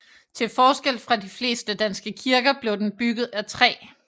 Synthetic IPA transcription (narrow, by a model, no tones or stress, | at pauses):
t͡sʰe̝lfɒːsɡ̥el̰fʁɑ̈difle̝̰ːsd̥əd̥ænsɡ̥əkʰiɐɡ̥ɐb̥le̝ʊd̥enb̥yɡ̥ð̞̩ˠæt͡sʰʁɛ̰ː